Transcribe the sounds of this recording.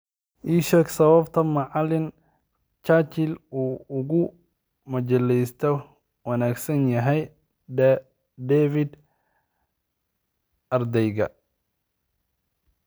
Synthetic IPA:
ʔiːʃɛksɐβɐbt̪ʰɐmɐʕɑlɪn | t͡ʃaːt͡ʃɪluːʊɣʊ | mɐt͡ʃɐlɛjst̪ʰɔ | wɑnaːɡsɐnjɐɦɛj | d̪ɛːfɪd̪ | ɐrd̪ɛjɣɐ̰

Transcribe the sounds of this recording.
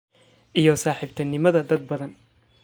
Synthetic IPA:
ʔijɔsaːħiːbt̪ʰɐnɪmɐðɐd̪ɐd̪̚bɐðɐn

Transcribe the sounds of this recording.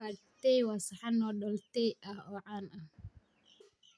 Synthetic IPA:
aɾt̪ɛjwasɐħɑnɔːɗɔlt̪ɛjʔɐhɔːʕaːnɐh

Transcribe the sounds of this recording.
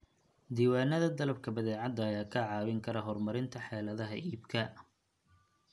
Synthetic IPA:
d̪iːwaːnɐðɐd̪ɐlɐb̚kʰɐbɐðɛːʕɑd̪ːɐːjaːkʰɐʕɑːwɪŋkʰɐɾɐɦɔrmɐɾɪnt̪ʰɐħɛːlɐðɐɦɐʔiːbkʰɐ

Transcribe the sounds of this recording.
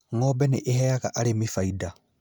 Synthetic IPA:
ŋɔbɛneʔeɦɛjaɣaʔaɾemifaida

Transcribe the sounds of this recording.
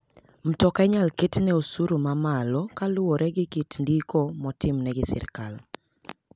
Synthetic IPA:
m̩tɔkɛɲalkitnɛosuɾumamalɔkalʊwoɾʔɛɡɪkitndikomɔtɪmnɛɡɪsɪ̰rkal

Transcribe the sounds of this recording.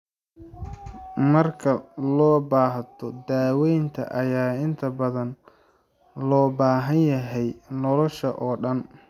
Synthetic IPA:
mɐrkʰɐlɔːbaːɦt̪ʰɔd̪aːwɛjnt̪ʰɐ̰ʔɐjaːɪnt̪ʰɐbɐðɐn | lɔːbaːɦɐnjɐɦɛjnɔlɔʃɐʔɔːɖɐn

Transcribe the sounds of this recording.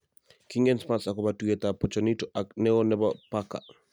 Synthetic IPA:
kiŋɡɛnsmasakɔbatuɡɛtapɔt͡ʃanitɔʔaknɛɔnɛbapaka̰

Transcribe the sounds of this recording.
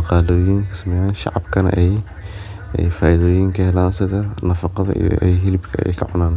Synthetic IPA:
ɑqɑːloːjiːŋkʰɐ̥sɐmɛjaːnʃɑ̰ʕɑbkʰɐnɐ̰ʔɛj | ɛ̰jfaːjɪðɔːjiːŋkʰɐhɛlaːnsɪðɐnɐfɑqɑðɐ̰ʔḭj̰ʔɛ̰jɦɪlɪbkʰɐɛ̰jkʰɐʕʊ̰naːn

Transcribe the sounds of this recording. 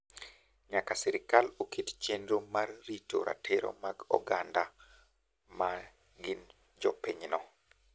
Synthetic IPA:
ɲakasɛɾɪkalokitt͡ʃendomarːito̰ɾa̰tʰeɾo̰maɡɔ̰ɡanda | ma | ɡɪn | d͡ʒɔpeɲnɔ

